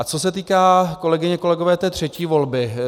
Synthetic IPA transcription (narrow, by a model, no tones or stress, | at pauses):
at͡so̞sɛt̪iːkaːko̞lɛɡɪɲɛko̞lɛɡo̞vɛːt̪ɛːt̪r̝̥ɛciːvo̞lbɪ